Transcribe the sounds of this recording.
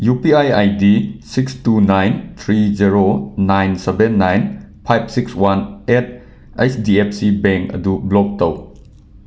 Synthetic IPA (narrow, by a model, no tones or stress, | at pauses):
jupiajajdisikstunajnt̪ʰɾid͡ʒeɾonajnsebenːajnpʰajb̚sikswanet̚ | ejsdiep̚ʰsibeŋkɐ̰dublɔk̚tɐw